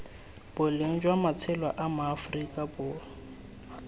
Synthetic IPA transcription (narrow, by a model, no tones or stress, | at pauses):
b̥ʊleŋ̩d͡ʒwamat͡sʰɛlwaʔamaːfrikʼabʊː